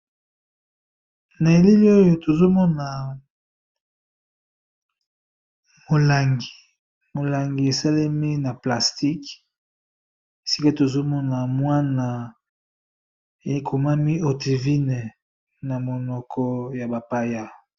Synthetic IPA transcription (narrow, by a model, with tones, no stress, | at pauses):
na˨e˨li˦li˦o˦jo˨to˨zo˦mɔ˦na˨ | mo˨la˨ŋɡi̥˨ | mo˨la˨ŋɡi˨e˨sa˦le˦mi˦na˨pla˨sti˦k | e˨si˦ka˦to˨zo˦mɔ˦na˨mwa˦na˨ | e˨kʰo˨ma˦mi˦o˨ti˨vi˦ne˨ | na˨mo˨nɔ˨kʰɔ˦ja˨ba˨pa˦ja˦